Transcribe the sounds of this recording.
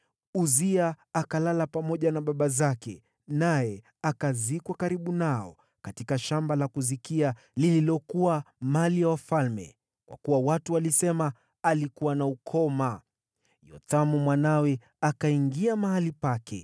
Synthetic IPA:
uziaː | kalalapamɔʄanaɓaɓazakɛ̰ | najɛ | akazikwakaɾiɓunaɔ̰ | katikaʃambalakuzikia | lililɔkuwamalijawafalmɛ̰ | kwa̰kuwawatualisɛmaː | likuwanaukʰɔma | jɔ̰tamumwanawɛ | akaiŋɡiamaɦalipakʰɛ̰

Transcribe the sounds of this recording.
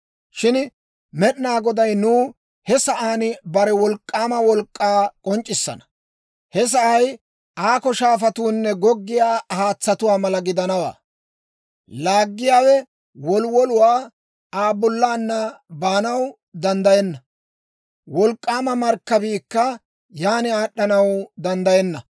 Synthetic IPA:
ʃɪn | mɛɗnaːɡɔd̪ɐjnuː | hɛsɐʔaːnbɐɾɛwɔlkʼːaːmɐwɔlkʼːaːkʼɔnt͡ʃʼːɪsːɐ̰nɐ̥ | hɛs̬ɐʔɐj | aːkɔʃaːfɐt̪uːnːɛɡɔɡːɪjaːhaːt͡sːɐt̪ʊwaːmɐlɐɡɪd̪ɐnɐwa̰ː | laːɡːɪjaːwɛ | wɔlwɔlʊwaː | aːbɔlːaːnːɐbaːnɐw | d̪ɐnd̪ɐjɛnːɐ | wɔlkʼːaːmɐmɐɾkːɐbiːkːɐ | jaːnɪaːɗːɐnɐwd̪ɐnd̪ɐjɛnːɐ

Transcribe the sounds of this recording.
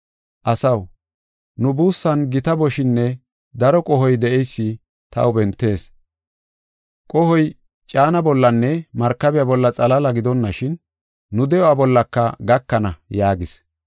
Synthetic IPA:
ʔɐsɐw | nʊbuːsːɐnɡɪt̪ɐbɔʃɪnːɛ | d̪ɐɾɔkʼɔɦɔjd̪ɛʔɛjsːɪ | t̪ɐ̰ʊbɛnt̪ːe̞ːs | kʼɔhɔj | t͡ʃʼaːnɐbɔlːɐnːɛmɐɾkːɐbɪjabɔlːɐt͡sʼɐlɐlɐɡɪd̪ɔnːɐʃɪnː | ʊd̪ɛjɔabɔlːɐkːɐɡɐkːɐnɐjaːɡɪs

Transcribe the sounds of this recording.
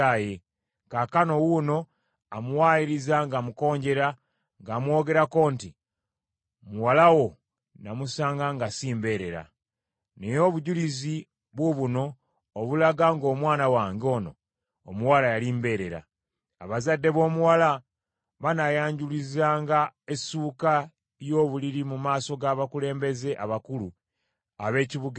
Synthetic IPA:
aje̞ | kakano̞wuno̞ | amuwaːiɾizaŋɡamuko̞ːɲɟe̞ɾa | ŋɡaːmwo̞ːɡe̞ɾako̞ːnti | muwalawo̞ | namusaːŋɡaŋɡasiːmbe̞ɾe̞ɾa̰ | nejo̞βuɟulizi | βwuβuno̞ː | βulaɡaŋɡo̞ːmwaːnawaːŋɡo̞ːno̞ː | muwalajalimbe̞ːɾe̞ɾa̰ː | βazadːe̞βo̞ːmuwala | βanajaːɲɟulizaːŋɡae̞suːka | jo̞ːβuliɾimumaːso̞ɡaːβakule̞ːmbe̞ze̞ʔaβakulu | aβe̞ːciβuɡ

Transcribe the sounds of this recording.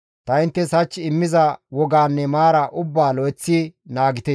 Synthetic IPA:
t̪ɐɪnt̪ːɛsɐt͡ʃːɪmːɪzɐwɔɡaːnːɛmaːɾɐʔʊbːaːlɔjt͡sːinaːɡɪt̪e

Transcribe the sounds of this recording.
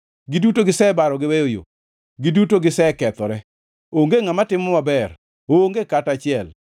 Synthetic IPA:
ɡɪdutoɡɪsɛbaɾɔɡɪwejojo̰ | ɡɪdutoɡɪsɛkɛt̪ɔɾɛ | oŋɡeŋamatɪmɔmabɛr | oŋɡekatat͡ʃɪɛl

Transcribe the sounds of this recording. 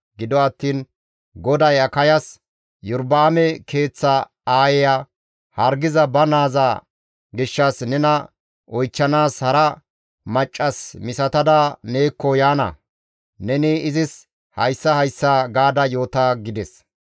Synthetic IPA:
ɡɪd̪ɔɐt̪ːiːn | ɡɔd̪ɐjɐkɐjɐs | jʊɾbaːmɛkʰe̞ːt͡sːɐ | aːjɛja | hɐɾɡɪzɐbɐnaːza | ɡɪʃːɐsnɛnɐ | ɔjt͡ʃːɐnaːshɐɾɐ | mɐt͡ʃʼːɐsmɪsɐt̪ɐd̪ane̞ːkːɔjaːnɐ̰ | nɛnɪɪzɪs | hɐjsːɐhɐjsːaːɡaːd̪ɐjo̞ːt̪aɡɪd̪ɛs

